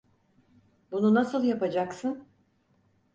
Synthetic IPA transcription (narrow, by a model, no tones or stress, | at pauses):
bununasɯlˠjapad͡ʒaksɯn